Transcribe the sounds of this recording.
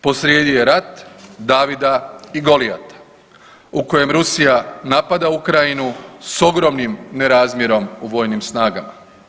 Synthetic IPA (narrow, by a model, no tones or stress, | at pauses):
po̞sɾjeːd̪ije̞ɾat̪d̪aːʋid̪aiɡo̞lia̰t̪ḁ | uko̞je̞mɾusijanapad̪aukɾajinuso̞ɡɾo̞mnimne̞ɾaːzmjeɾo̞muʋo̞ːjnimsnaːɡama̰